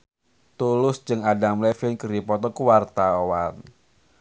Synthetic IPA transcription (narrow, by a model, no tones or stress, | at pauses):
t̪ulʊsd͡ʒɨŋadamlɛfinkəripɔt̪ɔkuwart̪awan